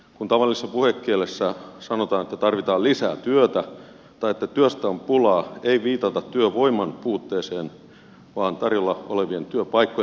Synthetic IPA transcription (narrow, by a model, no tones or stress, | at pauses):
kunt̪ɑʋɑlːˑisesːɑpuhekːielesːæsɑnot̪ɑːnet̪ːæt̪ɑrʋit̪ɑːlisæ̰ːt̪yøt̪æ | t̪ɑijet̪ːæt̪yøst̪æompulɑːeiʋiːt̪ɑt̪ɑt̪tyøʋoimɑnpuːt̪ːeːseːn | ʋɑːnt̪ɑrjolːɑʔoleʋient̪yøpɑikːo